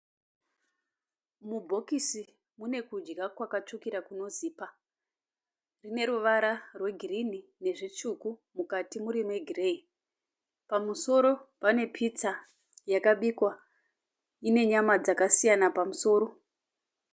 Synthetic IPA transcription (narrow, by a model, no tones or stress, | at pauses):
mubʱo̞kisi | mune̞kud͡ʒɡakwakat͡ʃukiɾakuno̞ziːpa | rine̞ɾuʋaɾarwe̞ɡʱirinine̞ʐit͡ʃukumukatimuɾimwe̞ɡʱirei | pamuso̞ɾo̞pane̞pʰit͡sa | jakaɓikwa | ine̞ɲamad͡zakasijanapamuso̞ːɾo̞